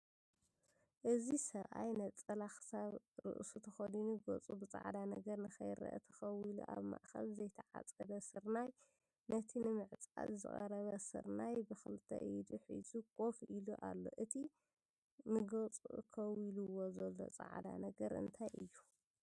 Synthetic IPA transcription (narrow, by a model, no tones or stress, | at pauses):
ʔɨzisɐβʔajnɐt͡sʼɐlaxɨ̥saβ | ɾɨ̰ʔsut̪ʰɐxod̪inuɡo̰t͡sʼubɨt͡sʼa̰ʕd̪anɐɡɐɾnɨxɐjɾɐ̰ʔɐ̰t̪ʰɐ̥xɐwilṵʔa̰βma̰ʔxɐ̰lzɐjt̪ʰɐʕa̰t͡sʼɐd̪ɐsɨɾnaj | nɐt̪ʰinɨmɨʕt͡sʼa̰tzɨ̰χʼɐɾɐβɐsɨ̰ɾnajbɨxɨlɨt̪ʰːɐ̰ʔɨjd̪uħḭzukʼo̞fʔiluʔa̰lːo̞̰ʔɨt̪ʰi | nɨɡot͡sʼṵʔkʰɐwiluwozɐlːo̞̰t͡sʼa̰ʕd̪a̰nɐɡɐɾʔɨ̰nt̪ʰajʔɨjːu